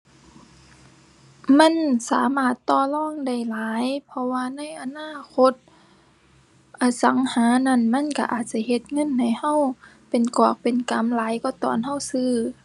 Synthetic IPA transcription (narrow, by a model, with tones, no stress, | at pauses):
ma˧˥˨nsaː˨˦maː˧˩t̪ːɔː˧˩lɔː˧˥˩ŋda˧˩jlaː˨˦jpʰɔ˧waː˧na˧˥˨jʔa˧naː˧˥˨kʰo˧˥t̪̚ | ʔaː˨˧˩sa˨˦ŋhaː˨˦na˧˥˨nma˧˥˨nka̰˧ʔaː˨˩t̪̚t͡ɕa˧˩jhe˧t̪̚ŋɤ˧˥˨nha˧˨˩jha˧˥˨w | pe˨nkɔː˨˩k̚pe˨nka˨˦mlaː˨˦jkɔː˧˩t̪ɔ̰ː˨˩nha˧˨wsɯː˧˥˩